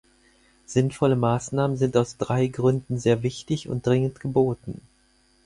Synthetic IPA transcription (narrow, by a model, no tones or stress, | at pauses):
z̥ɪnfɔləmaːsnaːmənzɪntaʊsd̥ʁaɪɡʁʏndn̩zeːɐvɪçtɪçʊ̰nt̚d̥ʁɪŋəntɡ̥əboːtn̩